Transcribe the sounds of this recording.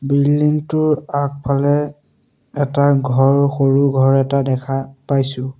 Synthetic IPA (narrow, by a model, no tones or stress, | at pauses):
bildiŋtʊɹak̚pʰalɛ | ɛtaɡʱɔɹxoɹuɡʱɔɹɛtadɛkʰapajsʊ̃